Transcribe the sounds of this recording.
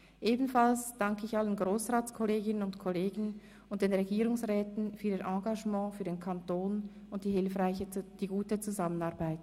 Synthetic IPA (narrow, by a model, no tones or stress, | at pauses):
ʔeːbn̩falsd̥aŋkəɪçʔalənɡʁoːsʁaːt͡skʰɔleːɡɪnənʊntkʰɔleːɡən | ʊnt̚d̥eːnʁeɡiːʁʊŋsʁɛːtn̩fyːɐdenʔɑ̃ːɡaʒmɑ̃ːfyːɐdeːnkʰantoːn | ʊnt̚d̥iːɦɪlfʁaɪçəd̥iːɡuːtət͡suzamənaɐʁbaɪt